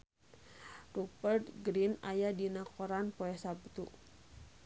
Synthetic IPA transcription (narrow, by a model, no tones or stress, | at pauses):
rubərt̪ɡɾinajadinakɔɾanpoɛsaput̪uʔ